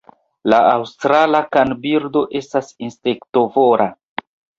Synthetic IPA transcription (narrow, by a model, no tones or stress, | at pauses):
laawstɾalakanbiɾdo̞ʔe̞stasinspekto̞voɾʔa